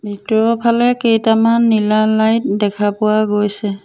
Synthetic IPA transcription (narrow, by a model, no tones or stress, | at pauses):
bʱitɔpʰalɛkejtamanːilalajt̚dɛkʰapʊwaɡojsɛ